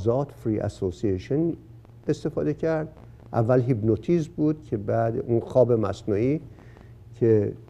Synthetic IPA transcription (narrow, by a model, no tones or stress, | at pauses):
zɒːt̪fɾiʔæ̰sosieʃon | est̪e̞fɒ̰ːd̪ecʰæɾd̪ | ʔævːælɦibnot̪ʰizbuːd̪̥cʰe̞bæːd̪unxɒːbemæsnuːiː | cʰe